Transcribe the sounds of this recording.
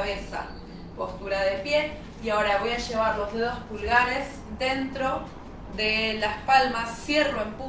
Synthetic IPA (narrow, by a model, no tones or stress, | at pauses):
βesa̰ | po̞st̪uɾaðepje̞ | iao̞ɾaβo̞jaʃe̞β̞aɾlo̞zðeðo̞spulɣaɾe̞z | ðe̞nt̪ɾo̞ | ðelaspalmasːje̞roempu